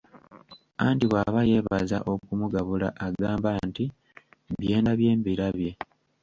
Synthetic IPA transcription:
aːndiβwaːβaje̞ːβaza̰ʔo̞kumuɡaβula̰ʔaɡaːmbaːnti | bje̞ːndaβje̞ːmbiɾaβje̞

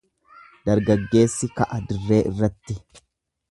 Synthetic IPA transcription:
d̪̥ɐɾɡɐɡːe̞ːsːɪkɐʔɐd̪ɪrːe̞ːʔɪ̰rːɐt̪ːɪ

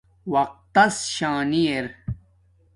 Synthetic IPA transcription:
wɐq̚t̪ːɐsɕaːnieɾ

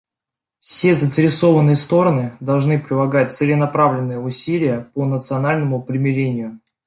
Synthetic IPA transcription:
fsʲezənʲtʲɪɾʲɪso̞vənːɨjəst̪o̞ɾənɨd̪ɐlˠʐnɨpɾʲɪlˠɐɡat̚ʲt̪səlʲɪnɐpɾavlʲɪnːɨjəʊsʲilʲɪjəponət̪sɨɐnalʲnəmʊpɾʲɪmʲɪɾʲenʲɪjʊ

